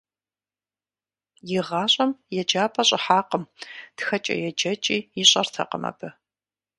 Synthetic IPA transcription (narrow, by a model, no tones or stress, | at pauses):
jɪʁɑːɕʼɐmjɛd͡ʒaːpʰʼɐɕʼɪħaːqəmtxɐt͡ʃʼɐ̰jɛd͡ʒɐt͡ʃʼiːjɪɕʼɐrtʰɐ̰qəmɐ̰bɨ